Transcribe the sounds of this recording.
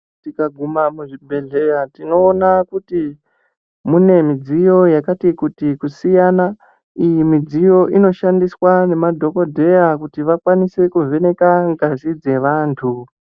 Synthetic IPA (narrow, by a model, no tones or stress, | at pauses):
tikaɡʱumamuʐibʱe̞ɮe̞jatino̞ːnakuti | mune̞mid͡zijo̞jakatikutikusijana | ijimid͡zijo̞ʔino̞ʃandiswane̞madʱo̞ko̞dʱe̞jakutiʋakwanise̞kuve̞ne̞kaŋɡazid͡ze̞ʋaːntʰu